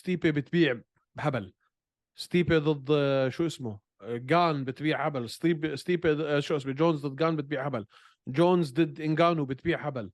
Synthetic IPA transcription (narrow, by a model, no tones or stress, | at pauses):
st̪iːpebɪt̪biːʕ | bħabal | st̪iːped̪ˤɨd̪ˤːʃuːʔɪsmʊ | ɡaːnbɪt̪biːʕħabalst̪iːbst̪iːpeʃuːʔɪsmud͡ʒoːnzd̪ɨd̪̚ːˤɡaːnbɪt̪̚biːʕʕabal | d͡ʒoːnzd̪ɪd̪ʔɪnɡaːnubɪt̪̚biːʕħabal